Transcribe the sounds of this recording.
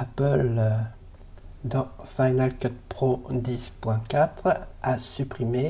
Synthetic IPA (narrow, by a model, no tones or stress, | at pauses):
apəl | d̪ɑ̃fajnalkɔt̪̚pχod̪ispwɛ̃kʲat̪χasypχime